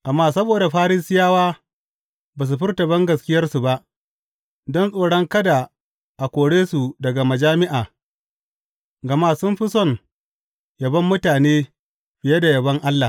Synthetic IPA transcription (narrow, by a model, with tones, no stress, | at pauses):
ʔa˨mːaː˦˨sɐ˦boː˨da˨ɸaː˦ɾiː˦sɪ˦jaː˦waː˦ | baː˨s̬u˨ɸɪ˦rta˨bɐ˦ŋɡɐ˨skʲɪ˦jɐ˦rsu˨ba˦ʔ | dɔ˦nsʼoː˨ɽɔ˦ŋkɐ˦da˨ | ʔa˨kʷoː˨ɽeː˦su˨dɐ˨ɡa˨mɐ˨d͡ʒaː˦mɪ˦ʔaː˨ | ɡɐ˨maː˨sʊ˦mɸɪ˦sɔ˦˨ŋ | jɐ˨bɐ˦mːʊ˦taː˨neː˦ | ɸɪ˨je˦da˨jɐ˨bɐ˦ŋʔa˦lːa˨